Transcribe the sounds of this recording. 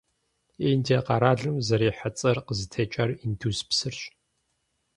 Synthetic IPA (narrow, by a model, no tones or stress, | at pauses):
endʰeqɑɾaːɮɨmzɐɾiːħat͡sʼɐrqəzɨtʰɐt͡ʃʼɐrindʰuzpsɨrɕʼ